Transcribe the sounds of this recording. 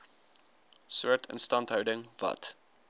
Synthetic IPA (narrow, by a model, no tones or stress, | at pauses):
suətʰə̰̃nstɑntɦəwdəŋvɐ̰t